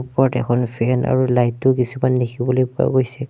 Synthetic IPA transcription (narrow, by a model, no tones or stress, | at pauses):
pɔɹɔtɛ̰kʰɔnpʰɛna̰ɹulajtːʊkisumanːikʰibɔlojpɔa̰ɡojsɛ